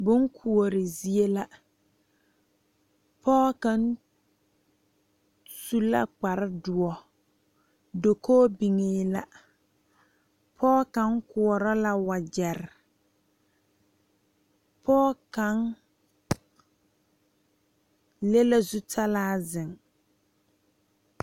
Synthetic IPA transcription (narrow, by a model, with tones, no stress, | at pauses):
bʊ˨˦ŋkʰu˨o˨ɾɪ˨zi˦e˦la˦ | pʰɔː˦ka˦n | su˦la̰˦k͡pa˨ɾɪ˦dʊ˨ɔ˨ | do˨kʰoː˦bi˨ŋeː˨˦la˦ | pʰɔː˦ka˨˦ŋkʊ˨ɔ˨ɾɔ˦la˦wa˨d͡ʒɛ˨ɾɪ˨ | pɔː˦ka˨˦ŋ | le˦la˦zu˦tʰa˦laː˦zɪ˨ŋ